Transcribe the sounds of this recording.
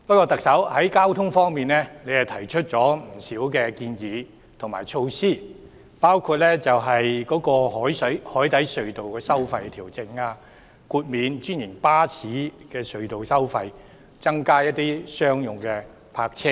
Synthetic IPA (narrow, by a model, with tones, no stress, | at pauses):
pɐ˥t̚kːɔː˧t̪ɐ˨k̚sɐ˨˥whɐ˨˥jkaː˥wt̪ʰʊ˥ŋfɔː˥ŋmiː˨˩nlɛ˥ne˨˧jhɐ˨wt̪ʰɐ˨˩jt͡ʃʰɵ˥t̚t͡sɔː˨˥m̩˨˩siː˨˥wkɛː˧kiː˧njiː˨˧ | t̪ʰʊ˨˩ŋmaː˨˩jt͡ʃʰo˧wsiː˥ | paː˥wkʰu˧t̚lɛ˥t͡sɐ˨wɦɐ˨jkɔː˨˥kɔː˧hɔː˨˥jshɔː˨˥jt̪ɐ˨˥jsɵ˨˧ɥt̪o˨wkɛː˧sɐ˥wfɐ˧jt̪ʰi˨˩wt͡sɪ˧ŋaː˧ | kuː˧t̚miː˨˧nt͡ʃyː˥njɪ˨˩ŋpaː˥sʰiː˨˥kɛː˧sɵ˨˧ɥt̪o˨wsɐ˥wfɐ˧j | t͡sɐ˥ŋkaː˥jɐ˥t̚t̪iː˥sœː˥ŋjʊ˨˩ŋkɛː˧ | pʰaː˧k̚t͡sʰɪ˥ŋ